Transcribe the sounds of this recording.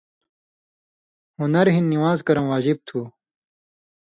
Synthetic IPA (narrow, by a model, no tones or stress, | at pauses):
hunɐɾɦinːiwaːzkɐɾɐmwaːʑib̚t̪ʰuː